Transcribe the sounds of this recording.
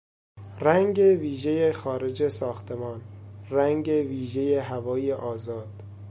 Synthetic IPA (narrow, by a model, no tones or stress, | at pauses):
ræŋɡe̞viːʒe̞jexɒːɾe̞d͡ʒesɒːxt̪ʰe̞mɒːnræŋɡe̞viːʒe̞jeɦævɒːjeʔɒːzɒːd̪̥